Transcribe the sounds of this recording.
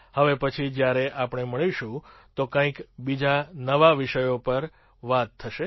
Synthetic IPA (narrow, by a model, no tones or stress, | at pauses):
həʋepət͡ʃʰid͡ʒjaɾeʔapɳ̃eməɭiʃũt̪okãĩkbid͡ʒanəʋaʋiʃəjopəɾ | ʋat̪ʰːəʃe